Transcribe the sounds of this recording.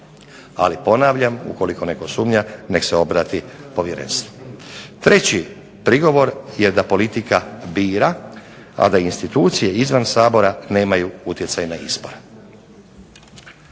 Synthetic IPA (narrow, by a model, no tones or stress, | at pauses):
a̰lipo̞naːʋʎamṵko̞liko̞ne̞ko̞suːmɲane̞kseo̞bɾaːt̪ipo̞ʋje̞ɾḛnst̪ʋo̥t̪ɾe̞t͡ɕi | pɾiɡo̞ʋo̞ɾje̞d̪apo̞lit̪ikabiːɾa | a̰d̪ainst̪it̪uːt̪sije̞izʋansaːbo̞ɾane̞ːmajuut̪jesajnaispoɾe